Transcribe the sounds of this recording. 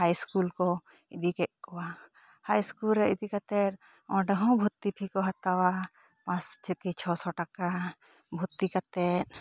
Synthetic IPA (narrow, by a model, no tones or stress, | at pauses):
hajskulkɔ | id̪ikɛʔ̚kɔwa | hajskulɾɛid̪ikat̪ɛt̪̚ | ɔ̃ɖəɦɔ̃bʱut̪ːipʰikɔɦat̪awa | pãsd͡ʒʰekit͡ʃʰɔsɔʈaka | bʱut̪ːikat̪ɛt̪̚